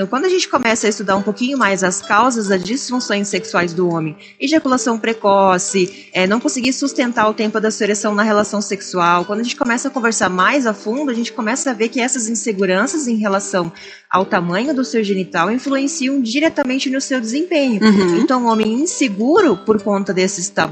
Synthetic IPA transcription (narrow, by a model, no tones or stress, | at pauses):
kwɐ̃nd̪ʊɐʒẽnt͡ʃɪ̥kõmɛsɐist̪ud̪aɾũpokĩɲʊmajzɐskawzɐzd̪ɐzd͡ʒisfũsõj̃sːeksuajzd̪ʊõmẽj̃ | iʒakulasɐ̃w̃pɾekɔsɪ | ɛnɐ̃w̃kõsɪɡiɾsust̪ẽnt̪aɾʊt̪ẽmpʊd̪ɐseɾesɐ̃w̃nɐɦelasɐ̃w̃seksuawkwɐ̃d̪ɐʒẽt͡ʃɪ̥kõmɛsɐkõveɾsaɾmajzafũnd̪ʊɐʒẽnt͡ʃɪ̥kõmɛsɐːveɾkɪɛsɐzĩseɡuɾɐ̃sɐzẽj̃ɦelasɐ̃w̃ | a̰wt̪amɐ̃ɲʊd̪ʊsewʒenit̪awĩfluẽsiɐ̃w̃d͡ʒiɾɛt̪ɐmẽnt͡ʃɪnʊsewd̪ɪzẽpẽɲʊ̃ẽnt̪ɐ̃w̃õmẽj̃ĩseɡuɾʊpoɾkõnt̪ɐd̪esɪst̪a